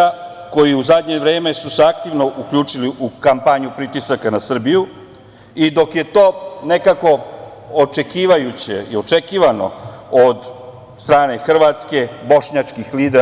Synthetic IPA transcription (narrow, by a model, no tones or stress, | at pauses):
a | ko̞jiuzad̪ɲe̞ʋɾe̞ːme̞suseakt̪iʋno̞ʔukʎuːt͡ʂiliʔukampaɲupɾit̪isakanasr̩biju | id̪o̞kje̞t̪o̞ːne̞kako̞ | ot͡ʃe̞kiːʋajut͡ɕḛḭo̞t͡ʃe̞kiːʋano̰od̪ | st̪ɾaːne̞xr̩ʋat̪ske̞bo̞ʃɲat͡ʃkixliːd̪e